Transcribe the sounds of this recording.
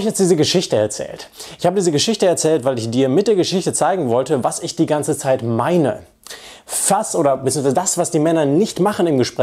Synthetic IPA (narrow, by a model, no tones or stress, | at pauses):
ɪçjɛt͡sd̥iːzəɡəʃɪçtəɛɐt͡sɛ̰ːltʔɪçhaːbədiːzəɡəʃɪçtəɛɐt͡sɛːltv̥aɪlɪçd̥iːɐmɪt̚d̥eːɐɡəʃɪçtət͡saɪɡŋ̩vɔltəvasɪçd̥iːɡant͡sət͡saɪtmaɪnə̰ | fasʔoːɾɐbətt͡siːəŋsv̥aɪzədasv̥asd̥iːmɛnɐnɪçtmaχənɪmɡəʃpʁ̥ɛ